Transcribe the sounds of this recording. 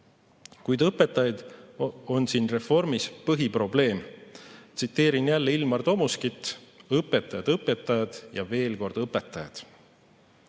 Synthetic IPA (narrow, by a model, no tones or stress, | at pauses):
kujd̪̥ɤpːˑe̞t̪ːˑɑjɑd̪̥o̞nsiːnre̞fo̞rmispɤɦipro̞ble̞ːmt̪sit̪ːe̞ːɾinjælːeilmɑrt̪o̞muskit̪ːˑɤpːˑe̞t̪ːˑɑjɑd̪̥ɤpːˑet̪ːˑɑjɑd̪̥jɑ̰ve̞ːlko̞rd̪̥ɤpːˑe̞t̪ːˑɑjɑ̰d̪̥